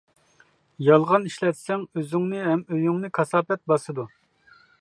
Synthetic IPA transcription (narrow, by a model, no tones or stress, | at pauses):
jɑlˠʁɑniʃlɛt̪sɛŋøzyŋnɨɦɛmøjyŋnɨkʰɑsɑːpɛt̪̚bɑsɨd̪u